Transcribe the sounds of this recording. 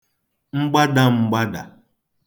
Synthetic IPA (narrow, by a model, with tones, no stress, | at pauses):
ŋ͡m̩˦ɡ͡ba˦da˦ŋ͡m̩˦ɡ͡ba˦da̰˨